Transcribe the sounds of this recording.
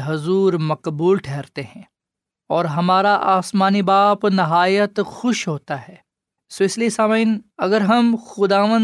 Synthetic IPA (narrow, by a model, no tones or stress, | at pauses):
ɦʊzuːɾmɐqbuːlʈʰɛːɾt̪eɦɛ̃ː | ɔːɾɦɐmaːɾaʔaːsmaːnibaːpnɪɦaːjət̪xʊʃɦoːt̪aɦɛː | sʋɪslisaːminɐɡəɾɦɐmxʊd̪aːʋə̃n